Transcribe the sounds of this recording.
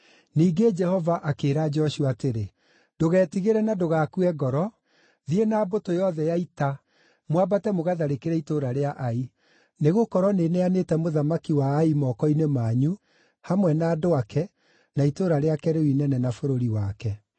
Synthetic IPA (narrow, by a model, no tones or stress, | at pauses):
niːɡed͡ʒɛhɔvaʔakeːɾaːd͡ʒɔɕuateɾe | d̥oɣɛːtiɣeɾɛnadoɣakuɛɡɔɾɔ | ðienaːbotojɔðɛjaita | mwabatɛmoɣaðaɾekeɾɛitoɾaɾeaʔai | neɣokɔɾwɔneneanetɛmoðamakiwaːimɔkɔinemaːɲu | hamwɛnaːdoakɛ | naitoɾaɾeakɛɾewinɛnɛnafoɾoɾiwakɛ